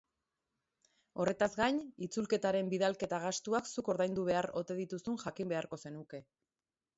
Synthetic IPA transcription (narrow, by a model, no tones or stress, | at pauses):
o̞re̞t̪azɡajɲit͡sulke̞t̪aɾe̞mbiðalke̞t̪aɣast̪uaksuko̞ɾðajnd̪uβ̞e̞aro̞t̪e̞ðit̪usunʝakimbe̞aɾko̞se̞nuke̞